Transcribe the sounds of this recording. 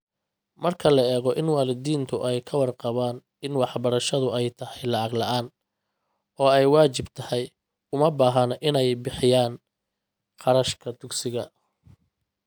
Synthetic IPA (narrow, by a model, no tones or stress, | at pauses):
mɐrkʰɐlɐɛːɣɔʔɪnwɑːlɪd̪iːnt̪ʰʊʔɛjkʰɐwɑrqɑβaːn | ɪnwɑħbɐɾɐʃɐðʊɛjt̪ʰɐhɛjlɑʕɑɡlɐʔaːn | ɔːɛjwaːt͡ʃɪbt̪ʰɐhɛj | ʊmɐbaːɦɐnʔɪnɛjbɪħɪjaːn | qʰɑɾɐʃkʰɐd̪ʊɡsɪɣɐ